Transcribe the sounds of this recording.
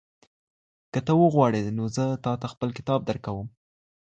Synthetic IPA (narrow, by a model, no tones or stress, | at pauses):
kət̪əwəɣwɑɽenozət̪ɑt̪axpəlkɪ̥t̪ɑb̚d̪əɾkawəm